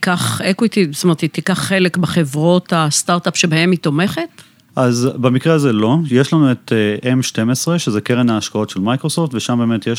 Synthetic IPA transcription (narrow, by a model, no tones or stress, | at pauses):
kaχekwit̪ist̪omeʁt̪it̪ikaχːele̞kbeχevʁo̞tast̪aʁt̪apʃe̞bahemito̞me̞χet | ʔazbamikʁeazelo̞jeʃlanue̞tʔemʃte̞mesʁeʃezekeʁenaːʃkao̞tʃelmajkʁoso̞ftveʃambeːmet̪jeʃ